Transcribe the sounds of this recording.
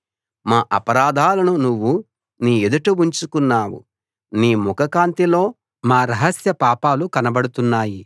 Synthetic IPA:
maːʔɐpɐɾaːd̪ʱaːlɐnunuʋːu | niːed̪uʈuʋuɲt͡ʃukunːaːwṵ | niːmukɐkaːnt̪ilo̞ː | maːɾɐɦɐsjɐpaːpaːlukɐnɐbɐɽut̪unːaːji

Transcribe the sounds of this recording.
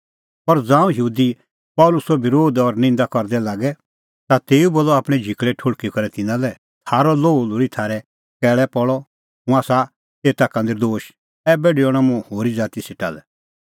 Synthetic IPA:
pɐɾd͡zãːũjəuːd̪i | pɔlʊsɔbɪɾoːd̪ɔɾnɪ̃nd̪akɔɾd̪ɛlaːɡɛ | t̪at̪eːuboːlːɔaːpɽ̃ɛd͡ʒʱikɭɛʈʰʊɽkikɐɾɛt̪ɪnãlɛ | t̪ʰaːɾɔloːlʊɽit̪ʰaːɾɛ | kɛːɭɛpɔɭɔ | mũaːsa | t̪eːt̪akɐ̃ːnd̪eɾd̪oːʃ | ɛbeːɖiɔɽ̃amũhoːɾid͡zaːt̪isɪʈa̰ːlɛ

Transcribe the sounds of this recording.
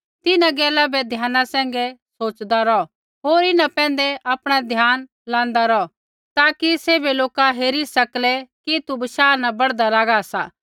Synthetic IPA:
t̪ɪnãɡɛːlabɛd̪ʱjaːnãsɛ̃ːŋ̆ɡɛsoːt͡ʃd̪aɾɔ | ɦoːɾɪnãpɛ̃ːn̆d̪ɛʔapɽ̃ad̪ʱjaːn | lãːn̆d̪aɾɔ | t̪aːkiseːbeloːkaɦeːɾisɐklɛkit̪ubɐʃaːnabɐɽd̪alaːɡasaː

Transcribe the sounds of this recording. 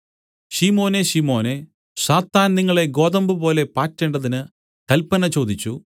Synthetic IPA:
ɕiːmo̞ːneɕimo̞ːne | saːt̪ːaːnniŋːɐɭe̞ɡo̞ːðɐmbɨpo̞ːle̞paːtːeːɳɖɐðinɨ | kɐlpɐnɐt͡ɕo̞ːd̪it͡ɕːu

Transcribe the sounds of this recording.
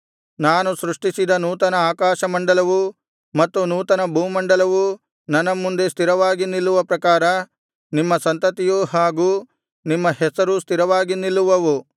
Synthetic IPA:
naːnusɾuʂʈisid̪ɐnuːt̪ɐnɐaːkaːʃɐmɐɳɖɐlɐʋu | mɐt̪ːunuːt̪ɐnɐbʱuːmɐɳɖɐlɐʋu | nɐnːɐmːund̪e̞st̪ʰiɾɐʋaːɡinilːuʋɐpɾɐkaːɾɐ | nimːɐsɐnt̪ɐt̪ijuɦaːɡuː | nimːɐhɛsɐɾust̪ʰiɾɐʋaːɡinilːuʋɐʋu

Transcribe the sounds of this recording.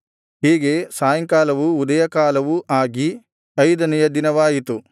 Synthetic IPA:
ɦiːɡe̞saːjɐŋkaːlɐʋuːd̪ɐjɐkaːlɐʋuʔaːɡi | ɐjd̪ɐnɛjɐd̪inɐʋaːjit̪u

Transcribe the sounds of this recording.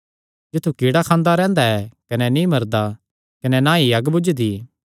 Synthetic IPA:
d͡ʒɪt̪ʰːukiːɽakʰãːnd̪aɾɛ̃ːnd̪aɛkɐnɛnĩmɐɾd̪a | kɐnɛnãːiɐɡbʊd͡ʒd̪iː

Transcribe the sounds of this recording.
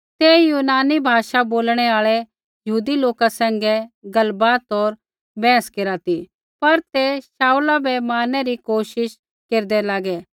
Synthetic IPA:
t̪ejuːnaːnibʱaːʃaboːlɽ̃ɛaːɭɛ | jɐɦuːd̪iloːkasɛ̃ːŋɡɛɡɐlbaːt̪ɔːɾ | bɛ̃ːəskeːɾat̪i | pɐɾt̪esaːulabɛmaːnɛɾikoːʃɪʃ | keːɾd̪ɛlaːɡɛː

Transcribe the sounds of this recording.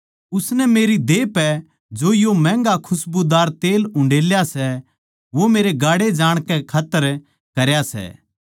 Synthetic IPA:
ʊsnɛmeːɾid̪eːpɛ | d͡ʒoːjomɛ̃ːŋɡakʰʊsbud̪aːɾt̪eːlʊ̃ɳɖeːljasɛ | ʋomeːɾeɡaːɽed͡ʒaːɽ̃kɛkʰaːt̪ːəɾ | kɐɾjasɛ̰ː

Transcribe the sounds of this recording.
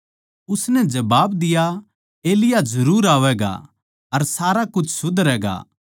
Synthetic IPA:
ʊsnɛd͡ʒɐbaːbd̪ɪja | eːlɪjad͡ʒɐɾuːɾaːʋɛɡa̰ | ɐɾsaːɾakʊt͡ʃʰsʊd̪ɾɛːɡa̰ː

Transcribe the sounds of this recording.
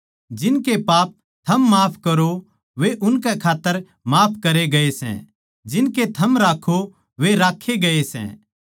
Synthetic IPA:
d͡ʒɪnkepaːp̚ | t̪ʰɐmːaːpʰkɐɾo | ʋeʔʊnkɛkʰaːt̪ːəɾ | maːpʰkɐɾeɡɐesɛ̰̃ | d͡ʒɪnket̪ʰɐmɾaːkʰo | ʋeɾaːkʰeɡɐesɛ̰̃

